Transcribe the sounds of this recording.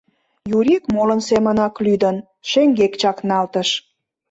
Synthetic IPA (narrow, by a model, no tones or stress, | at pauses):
juɾʲikmolənsemənɑklyd̪ən | ʃeŋɡekt͡ɕɑknɑlt̪əʃ